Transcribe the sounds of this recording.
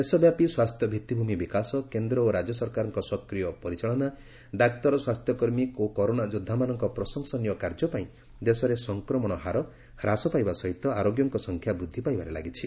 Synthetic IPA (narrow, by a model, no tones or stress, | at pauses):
d̪esɔbjapiswast̪ʰjɔbʱit̪ːibʱumibikasɔkend̪ɾɔoɾad͡ʒjɔsɔɾkaɾɔŋkɔsɔkɾijɔpɔɾit͡ʃaɭɔna | ɖakt̪ɔɾɔswast̪ʰjɔkɔɾmikokɔɾonad͡ʒud̪ʱːamanɔŋkɔpɾɔsɔŋsɔnijɔkaɾd͡ʒɔpaĩ | d̪esɔɾesɔŋkɾɔmɔɽ̃ɔɦaɾɔ | kʰɾasɔpajbasɔɦit̪ɔaɾoɡjɔŋkɔsɔŋkʰjabɾud̪ʱːipajbaɾela̰ɡit͡ʃʰi